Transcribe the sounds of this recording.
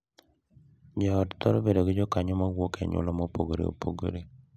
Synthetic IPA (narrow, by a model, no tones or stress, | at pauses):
d͡ʒɔːdt̪ɔɾɔbedoɡɪd͡ʒɔkaɲɔmawokɛ̰ɲʊ̰lɔmɔpoɡoɾḛo̰poɡo̰ɾe